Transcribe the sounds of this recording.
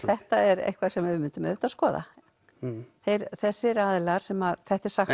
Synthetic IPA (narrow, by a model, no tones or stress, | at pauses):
θɛht̪aɛɾḛjhkvasɛmɛmʏnt̪ʏmœ̰t̪askɔːða̰ | θejɾθɛsːɪɾaðlaɾ̥sɛmaðθɛht̪ɪɾ̥sax